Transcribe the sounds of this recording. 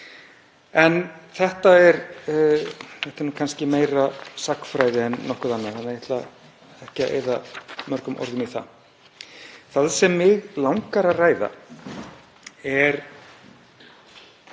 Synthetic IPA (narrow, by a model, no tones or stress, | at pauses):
ɛnθɛht̪aɛɾ | θɛht̪ɪɾnuːkʰanscɪmeːjɾasakfɾajðɪɛnːɔhkʏθanːahanːaɪht̪la | ɛhcɪaʔḛːjðamœɾkʏmʔɔ̰ɾðʏniθa̰ | θaðsɛmːɪɣlawŋkaɾaraːjða̰ | ɛɾ